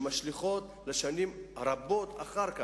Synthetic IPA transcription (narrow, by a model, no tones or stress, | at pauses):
maʃliχo̞t̪ | leʃanimɾabo̞t̪aχaɾka